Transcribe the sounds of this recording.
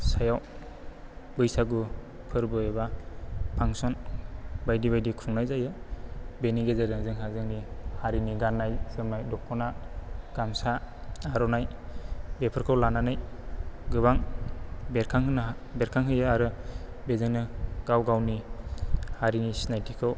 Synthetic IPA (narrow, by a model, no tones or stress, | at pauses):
sajaw | bɯjsaɡu | pʰɯɾbɯebapʰaŋsɔnbajdiβajdikʰuŋnajzajɯbeniɡezadɯŋzɯŋɦazɯŋnihaɾiniɡanːajsɯmnajdɔkʰːɔnaɡ̥amsaaɾɔnajbepʰɯɾkʰɯwlananɯj | ɡɯβaŋ | beɾkʰaŋɦɯnbeɾkʰaŋɦɯjɯaɾɯ | bezɯŋnɯɡ̥awɡawni | haɾinisinajtʰikʰɯw